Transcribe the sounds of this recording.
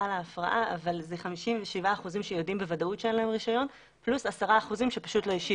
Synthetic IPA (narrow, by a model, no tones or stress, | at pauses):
alaːfʁaʔaʔavalzeχamiʃimveʃivaːχuzimʃejodimbe̞vadautʃeenlae̞mʁiʃajo̞n | plusasaʁaːχuzimʃe̞pḁʃutlojiʃi